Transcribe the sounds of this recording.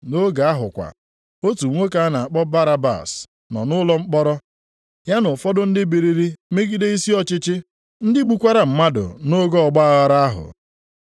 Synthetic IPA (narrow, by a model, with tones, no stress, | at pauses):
no˦ɡa˨a˦ɦʊ˨kʷa̰˨ | o˦tu˨˦ŋʷo˦ka˨a˦na˨a˨k͡pɔ˦ba˦ɾa˦ba̰˨s | nɔ̰˨nʊ˦lɔ˦ŋ͡m̩˦k͡pɔ˦ɾɔ˦ | ja˦nʊ˨fɔ˦dʊ˦n̩˦dɪ˦bi˨ɾi˨ɾi˦me˦ɡi˦de˦i˦si˦ɔ˦t͡ʃɪ˦t͡ʃɪ˦ | n̩˦dɪ˦ɡ͡bu˨kʷa˦ɾa˨m̩˨ma˦dʊ̰˨no˦ɡɔ˦ɔ˨ɡ͡ba˦a˦ɣa˨ɾa˦a˦ɦʊ̰˨